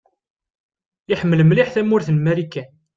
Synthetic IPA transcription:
ɪħəmːələmliħθæmʊɾθnmæɾikːæn

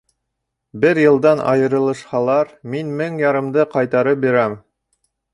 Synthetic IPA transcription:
bɘɾjɤ̆lˠd̪ɑnʔɑ̰jɤ̆ɾɤ̆lˠɤ̆ʃhɑlˠɑɾminmɘŋjɑɾɤ̆md̪ɤqɑjt̪ɑɾɤp̚biɾæm

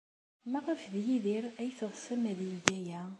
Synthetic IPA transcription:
mæʁəfðjiðiɾæjθəðˤsæmæðjɡæjæ

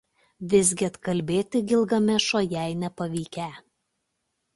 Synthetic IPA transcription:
ʋʲɪzʲɡʲɪɐt̪kɐlʲbʲeːt̪ʲɪɡʲɪlˠɡɐmʲɛʃoːjɛɪnʲɛpɐʋʲiːkʲɛˑ

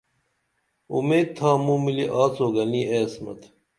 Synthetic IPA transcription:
ṵmeːd̪̚t̪ʰaːmũːmiliʔaːt͡soːɡɐniʔeɐsmɐ̰t̪ʰ

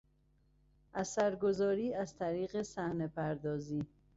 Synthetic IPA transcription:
ʔæsæɾɡo̞zɒːɾiːæzt̪ʰæɾiːɣe̞sæhne̞pʰæɾd̪ɒːziː

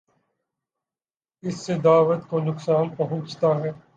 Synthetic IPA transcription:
ɪsːed̪aːʋət̪konʊksaːnpɐɦʊ̃t͡ʃt̪aɦɛː

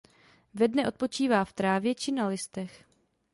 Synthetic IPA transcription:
vɛdnɛʔo̞t̪̚po̞t͡ʃiːvaːft̪ɾaːvjɛt͡ʃɪnalɪst̪ɛx

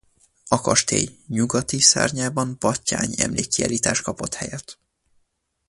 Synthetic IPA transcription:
ɒkɒʃt̪ḛːjɲuɡɒt̪isa̰ːrɲaːbɒmpɒcːaːɲɛ̰mleːkːia̰ːliːt̪aːʃ̚kɒpo̞t̪hɛjɛt̪

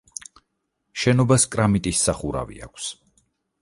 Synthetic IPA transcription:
ʃɛnɔbaskʼɾamit̪ʼisːaχuɾa̰vḭa̰kʷʰs

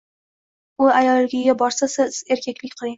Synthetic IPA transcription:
ʊajɒlɡʲɪɡʲabɒɾsasɪz̥e̞ɾkʲʰekʲlɪkʲqʰɨlˠɪŋ

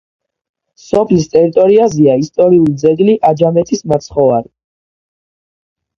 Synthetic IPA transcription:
sɔpʰlist̪ʼɛɾit̪ʼɔɾiazɛaist̪ʼɔɾiulid̪zɛɡliʔad͡ʒamɛt̪ʰismat̪sʰχɔvaɾi

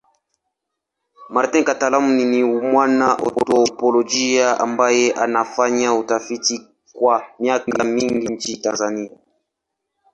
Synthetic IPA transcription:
maɾtɛ̃ŋkatalamuniniumwanaʔɔ̰tɔpɔlɔd͡ʒiaʔa̰mbajɛʔa̰nafaɲautafiti | kwamiakŋɡamiŋɡin̩t͡ʃitanzania

